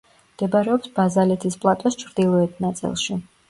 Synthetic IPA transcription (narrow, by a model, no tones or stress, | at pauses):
md̪̥ɛbaɾɛɔpsbazalɛt̪ʰispʼlˠat̪ʼɔst͡ʃʰɾd̪ilˠɔɛt̪ʰnat̪sʼḭlˠʃi